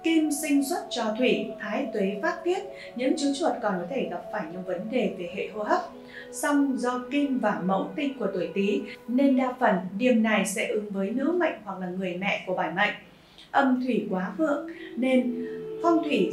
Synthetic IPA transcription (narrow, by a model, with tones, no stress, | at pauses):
ki˧msï˧ŋ̟swə˦˥t̚t͡ɕɔ˧t̪ʰwi˧˩t̪ʰaː˨˦jt̪we˨˦faː˦˥t̚ti˦˥ət̚ | ɲɨ̰˧˥ŋt͡ɕu˨˦t͡ɕwə˨˩t̚kɔ˨˩nkɔ˨˦t̪ʰe˧˩ɣa˨˩p̚faː˧˩jɲɨ̰˧˥ŋvə˨˦nɗe˨˩ve˨˩hḛ˧˨ho̰˧ha˦˥p̚ | sa˧wŋ͡mzɔ˧ki˧mvaː˨˩mə̰˧˥wt̪ï˧ŋku˧˩ə˩t̪u˧˩jt̪i˨˦ne˧nɗaː˧fə˧˩nɗi˨˩əmna˨˩jsɛ̰˧˥ʔɨ˨˦ŋvəː˨˦jnɨ̰˧˥ma̰˧˨jŋ̟hwa˨˩k̚laː˨˩ŋɨ˨˩əjmɛ̰˧˨ku˧˩əɓaː˧˩jma̰˧˨jŋ̟ | ʔə˧˩mt̪ʰwi˧˩kwaː˨˦vɨ̰˧˨əŋne˧nfɔ˧wŋ͡mt̪ʰwi˧˩